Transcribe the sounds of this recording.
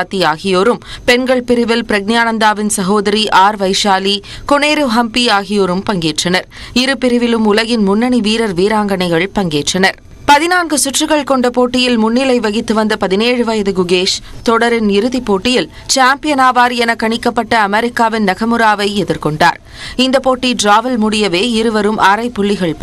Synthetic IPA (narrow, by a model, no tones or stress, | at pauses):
t̪ːiaːɣɪjoːɾɯmpɛnɡɐɭpɪɾɪʋɪlpɪɾɐɡ̚njaːnɐnd̪aːʋɪnsɐɣoːðɐɾiʔaːɾʋɐɪʂaːli | kɔneːɾɯɦɐmpiaːɣɪjoːɾɯmpɐŋɡeːʈrɐnɐɾɪɾɯpɪɾɪʋɪlɯmʊlɐɣɪnmʊnːɐɳiʋiːɾɐɾʋiːɾaːŋɡɐɳɐɪɣɐɭpɐŋɡeːʈrɐnɐɾ | pɐðɪnaːnɡɯsʊʈrɯɣɐɭkɔɳɖɐpoːʈːɪjɪlmʊnːɪlɐɪʋɐɣɪt̪ːɯʋɐnd̪ɐpɐðɪneːɻɯʋɐjɐðɯɡʊɣeːʂt̪ɔɽɐɾɪnɪɾɯðipːoːʈːɪjɪl | t͡ʃaːmpɪjɐnaːʋaːɾɛnɐkːɐɳɪkːɐpːɐʈːɐːmɛɾɪkːaːʋɪnnɐɣɐmɯɾaːʋɐɪɛðɪɾkɔɳɖa̰ːɾ | ɪnd̪ɐpoːʈːiɖɾaːʋɐlmʊɽɪjɐʋeːɪɾɯʋɐɾɯmʔaːɾɐɪpːʊɭːɪɣɐɭ